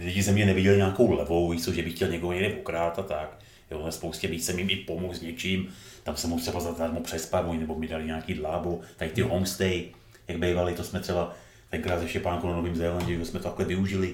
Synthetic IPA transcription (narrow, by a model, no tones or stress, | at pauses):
lɪɟɪzɛmɲɛnɛvɪɟɛlɪɲaːko̞wlɛvo̞wjisowʒɛbɪxcɛlɲɛkoɦoɲɛɡdɛʔokɾaːt̪at̪ak | jo̰ːnɛspowscɛmiːt͡sɛmjɪmɪpomokzɲɛt͡ʃimt̪amsɛmut̪rɛbazat̪aːɾmupr̝̥ɛspavujnɛbomɲɛdalɪɲaːkiːdlaːbot̪akt̪ɪɦoŋst̪ɛj | jaɡ̚bejvalɪt̪osmɛt̪rɛba | t̪ɛŋkɾaːt̪zɛʃcɛpaːŋkunanoviːmzɛlaɲɟɛʒɛsmɛt̪oaklɛvɪuʒɪlɪ